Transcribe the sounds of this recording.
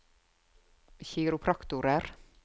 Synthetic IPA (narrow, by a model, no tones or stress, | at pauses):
çiːɾʊpʰɾɑkt̪ʊɾəɾ